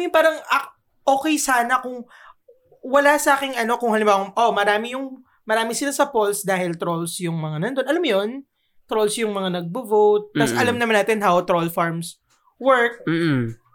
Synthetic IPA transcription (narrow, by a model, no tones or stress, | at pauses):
ɪpaːɾɐŋɐ | ʔo̞ːkɛjsaːnɐkʊŋ | wɐlasɐʔaːkɪŋʔɐno̞kʊŋhɐlɪ̃mbaːwɐŋʔo̞mɐɾaːmɪjʊŋ | mɐɾaːmɪsɪlasɐpolsd̪aːhɪlt̪ɾolsjʊŋmɐŋanɐnd̪onʔɐlamjon | t̪ɾolsjʊŋmɐŋanɐɡ̚bovowt̪̚ːɐsʔɐlɐmnɐmanːaːt̪ɪnɦawt̪ɾolfaɹms | wɛɹk̚ː